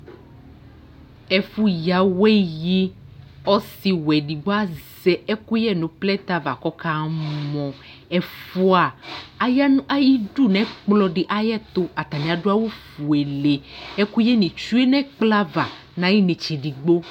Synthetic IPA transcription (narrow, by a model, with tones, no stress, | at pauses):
ɛ˨fu˦ja˨we˦ji˦ | ɔ˦si˨wɛ˨ɖi˨ɡ͡bo˦a˦zɛ˦ɛ˦ku˦jɛ˦nũ˨plɛ˦t̪a˦va˨kɔ˦ka˦mɔ̃˨ | ɛ˨fu˦a˨a˦ja˦nũ˦ʔa˦ji˦ɖu˦˨nɛ̃˨˦k͡plɔ˦ɖi˨ʔa˦jɛ˦t̪o˦a˨t̪a˨nĩ˨a˨ɖu˦a˦wo˦fu˨e˨le˨ɛ˦ku˦jɛ˦nĩ˨t͡ʃu˦e˦nɛ̃˦k͡pla˦va˨ | nã˨˦ji˦nẽ˨t͡ʃi˨ɖi˨ɡ͡bo˦